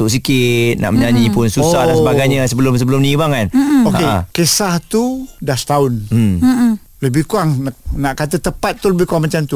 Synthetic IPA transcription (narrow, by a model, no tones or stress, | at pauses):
t̪ʊʔs̬ikɪt̪̚na̰ʔməɲaɲĩpʊnsusahddansəbaɡajɲəsəbəlʊms̬əbəlʊmnibaŋkanokekesaht̪udasə̥t̪aʊnm | ləbɪhkuaŋanaʔkat̪ət̪əpat̪̚t̪ːuləbɪhkuaŋmat͡ʃamt̪u